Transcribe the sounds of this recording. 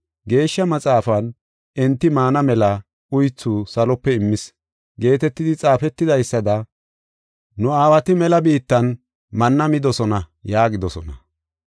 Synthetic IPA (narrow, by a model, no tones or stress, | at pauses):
ɡe̞ːʃːɐmɐt͡sʼaːfɐn | ʔɛnt̪ːɪmaːnɐmɛlɐ | ʊjt͡sːusɐlɔpːɛɪmːɪs | ɡe̞ːt̪ɛt̪ːɪd̪ɪt͡sʼaːfɛt̪ːɪd̪ɐjsːɐd̪ɐ | nʊaːwɐt̪ɪmɛlɐbiːt̪ːɐn | mɐnːɐmɪd̪ɔsɔnɐjaːɡɪd̪ɔsɔnɐ